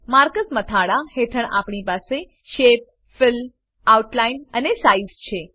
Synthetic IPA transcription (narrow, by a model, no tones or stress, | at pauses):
maɾkəsmət̪ʰaɽahet̪ʰəɳa̰pɳipase | ʃep̚ | fɪl | auʈlainənesaizt͡ʃʰe